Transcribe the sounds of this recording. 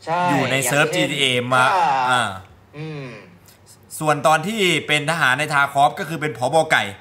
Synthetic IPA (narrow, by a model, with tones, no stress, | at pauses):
juː˨˩na˧jsɤː˦˥p̚t͡ɕiː˧t̪iː˧ʔeː˧maː˧ʔaː˧˩ | su˨˩ənt̪ɔː˧nt̪ʰiː˥˩pe˧nt̪ʰaː˧ɦaː˩˦nːa˧jt̪ʰaː˧kʰɔː˦˥p̚kɔː˥˩kʰɯː˧p̬e˧npʰɔː˩˦bɔː˧ka˨˩j